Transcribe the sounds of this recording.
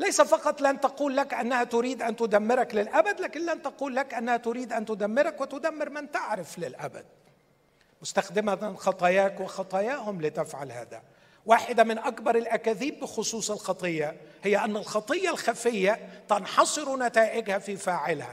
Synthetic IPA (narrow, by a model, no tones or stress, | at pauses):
lajsafɑqɑt̪ˤlɪʔant̪ɑquːlːakʔanːahat̪ʊɾiːd̪ʔant̪ʊd̪amːɪɾaklɪlʔabad̪laːkɪnlant̪ɑquːlːakʔanːahæt̪ʊɾiːd̪ʔant̪ʊd̪amːɪɾakwɪt̪ʊd̪amːɪɾmɪnt̪aʕɾɪflɪlʔa̰ba̰d̪̥̚ | mʊst̪axd̪ɪmaxɑt̪ˤɑjaːkwɪxɑt̪ˤɑjaːhʊmlit̪ɪfʕa̰lha̰ːðæ̰ | waːħɪd̪amɪnʔakbɑɾˤɪlʔækæːðiːbːɪxʊsˤuːsˤɪlxɑt̪ˤɨjːɑhɪjːaʔanːalxɑt̪ˤɨjːɑlxafɪjːat̪ɑnħɑsˤɨɾunat̪aːʔɪɡhafifaːʕɪlha̰